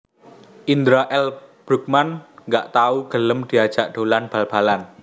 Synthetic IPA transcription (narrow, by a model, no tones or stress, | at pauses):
ʔind̪ɾaʔɛlb̥ɾṳk̚manŋɡaʔt̪auɡ̥ələmd̪̥i̤ad̥ʒ̥aʔɖ̥o̤lanb̥alb̥a̤lan